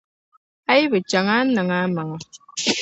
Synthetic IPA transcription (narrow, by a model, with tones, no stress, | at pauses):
a˦ji˦bə˨t͡ʃa˨ŋa˦nə˨ŋa˨˦mə˨ŋə˨